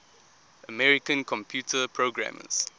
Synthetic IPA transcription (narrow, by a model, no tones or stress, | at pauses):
əmɛɹikə̃nkʰɔ̃mpʰjuːtʰəpʰɹoɡɹã̰mə̰z̥